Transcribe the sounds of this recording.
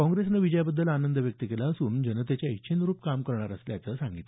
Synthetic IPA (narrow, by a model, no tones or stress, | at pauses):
kɔ̃ŋɡɾesnəʋid͡ʑəjabəd̪ːəlanənd̪əʋjək̚t̪ikelaəsuːnd͡ʑənət̪et͡ɕjaəkt͡ɕʰinɾuːpkamkəɾɳaɾəsljat͡səsaŋɡit̪l